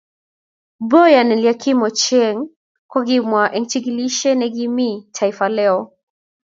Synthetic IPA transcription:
bɔjanɛliakʰimɔt͡ʃɛŋ | kwɔɡimwaʔɛŋt͡ʃiɡiliʃɛnɛɡimitʰaifalɛɔ

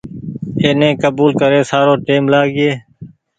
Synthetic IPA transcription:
eːnẽːkəbuːlkəɾeːsaːɾõːʈeːmlaːɡɪeː

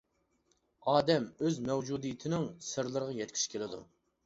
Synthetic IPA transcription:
ɑːd̪ɛmøzmɛwd͡ʒud̪ijit̪ʰɪnɪŋsɨɾlˠɨɾəʁɑjɛt̪̚kʲʰi̥ʃkʲʰelɪd̪ṵ

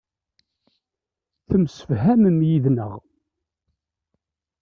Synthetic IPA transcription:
θəmsə̥vɦæmənjiðnə̰ʁ

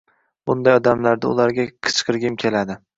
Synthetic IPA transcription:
bʊnd̪ajɒd̪amlaɾd̪aʊ̰laɾɡʲakʰɨ̥t͡ʃqɨɾɡʲɪmkʲʰe̞lad̪ɪ

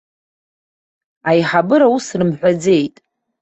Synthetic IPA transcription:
ajħabɨɾawusrɨmħʷᶣad͡ze̞jtʼ

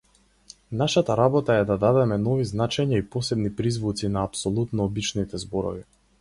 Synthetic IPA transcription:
naʃat̪aɾabɔt̪aɛd̪ad̪ad̪ɛmɛnɔviznat͡ʃɛɲaipɔsɛbnipɾizvut̪sinaːpsɔlˠut̪nɔːbit͡ʃnit̪ɛzbɔɾɔ̰vi

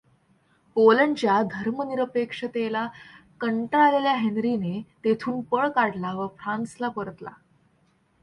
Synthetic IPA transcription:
polənt͡ɕjad̪ʱəɾməniɾəpekʂət̪elakəɳʈɾaleljaɦenɾinet̪et̪ʰuːnpəɭkaɽlaʋəfɾanslapəɾət̪la̰

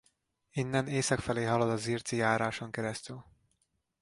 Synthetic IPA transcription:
inːɛneːsɒkfɛleːɦɒlod̪ɒziːrt̪sijaːɾaːʃoŋkɛɾɛst̪yl

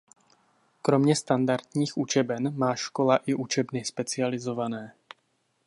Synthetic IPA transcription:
kɾomɲɛst̪and̪aɾt̪ɲiːxut͡ʃɛbɛnmaːʃkolaʔɪʔut͡ʃɛbnɪspɛt͡sɪalɪzovanɛː

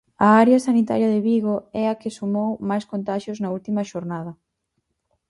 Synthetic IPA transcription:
ɐaɾjɐsanit̪a̰ɾjɐðɪβiɣoɛɐkɪsumowmajskont̪aʃjʊznɐult̪imɐʃoɾnað̞ɐ

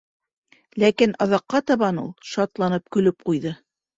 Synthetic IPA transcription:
lækinɑðɑqːɑt̪ɑβɑnṵlˠʃɑt̪lˠɑnɤp̚kɵ̆lɵp̚qujðɤ

